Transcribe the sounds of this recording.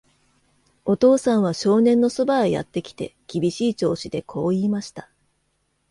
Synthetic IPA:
o̞t̪o̞ːsãɰ̃β̞aɕo̞ːnẽ̞nːo̞so̞baeja̰t̪ːe̞kʲi̥t̪e̞̰kʲibʲiɕiːt͡ɕo̞ːɕid̪e̞kʰo̞ːiːmaɕi̥t̪ḁ

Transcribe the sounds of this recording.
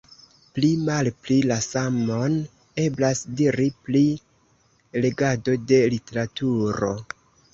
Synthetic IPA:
plimalplilasamo̞n | e̞blasdiɾipli | le̞ɡado̞de̞lite̞ɾatuɾo̞̰

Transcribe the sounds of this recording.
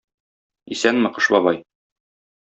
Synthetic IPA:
isænmɘ̆qɤ̆ʃbɒbɑj

